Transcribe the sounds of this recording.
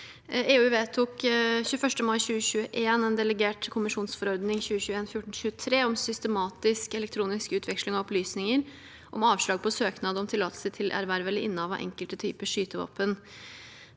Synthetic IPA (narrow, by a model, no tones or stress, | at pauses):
eːʉːʋeːt̪ʰukɕʉːəfœʂʈəmɑɪɕʉːəɕʉːəʔeːnɛːnd̪ɛləɡeːʈkʰʊmɪʂuːnsfɔɾɔɾd̪nɪŋçʉːəçʉːəeːnfjʊʈɳ̩ɕʉːət̪ʰɾeːɔmsʏst̪əmɑːt̪ɪskɛlɛk̚t̪ʰɾuːnɪskʉːt̪ʰʋɛkʂlɪŋɑɔplyːsnɪŋəɾ | ʔɔmɑːʋʂlɑːɡ̚pʰɔsøːknɑːd̪əɔmt̪ʰɪlɑːt̪l̩sət̪ʰɪlʔæ̰ɾʋæɾəʋɛlɪʔɪnːəɑʋɑ̰ʔɛ̰ŋkəlt̪ət̪ʰyːpəʂyːt̪əʋɑ̰ːpən